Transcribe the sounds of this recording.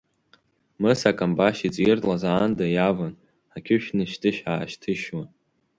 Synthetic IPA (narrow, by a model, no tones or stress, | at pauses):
mɨsakʼambaʃit͡sʼjɪrtʼlazaːndajavan | akʲʰʊʃᶣnɨʃtʰɨʃᶣa̰ːʃtʰɨʃwan